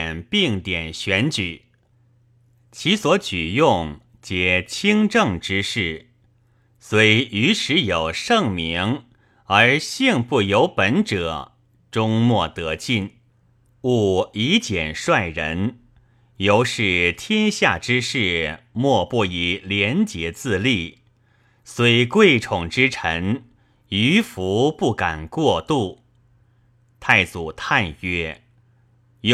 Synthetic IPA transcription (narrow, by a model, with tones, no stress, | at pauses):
npi˥˩ŋt̪jɛ˨˩nɕɥɛ˧˥nt͡ɕy˨˩˦ | t͡ɕʰi˧˥swɔ˧˥t͡ɕy˨˩jʊ˥˩ŋ | t͡ɕjɛ˧˩t͡ɕʰi˥ŋʈ͡ʂɤ˥˩ŋʈ͡ʂɻ̩˥ʂɻ̩˥˩ | swe˧˥i˧ʔy˧˥ʂɻ̩˧˥jo˨˩ʊʂɤ˥˩ŋmi˧˥ŋ | ə˞˧˥ɕi˥˧ŋpu˥˩jo˧˥ʊpə˧˥nʈ͡ʂɤ˨˩˦ | ʈ͡ʂʊ˥ŋmwɔ˥˩t̪ɤ˧˥t͡ɕi˥˩n | u˥˩i˧˥t͡ɕjɛ˨˩nʂwa˥˩ɪɻə̰˧˥n | jo˧˥ʊʂɻ̩˥˩t̪ʰjɛ˥nɕja˥˩ʈ͡ʂɻ̩˥ʂɻ̩˥˩mwɔ˥˧pɔ˥˩i˨˧˩ljɛ˧˥nt͡ɕjɛ˧˥t͡sɹ̩˥˧li˥˩ | swe˧˥ɪ˧kwe˥˩ɪʈ͡ʂʰʊ˨˩ŋʈ͡ʂɻ̩˥ʈ͡ʂʰə˧˥ŋ | y˧˥fu˧˥pu˥˩ka˨˩nkwɔ˥˧t̪u˥˩ | t̪ʰa˥˩ɪt͡su˨˩t̪ʰa˥˧nɛ˥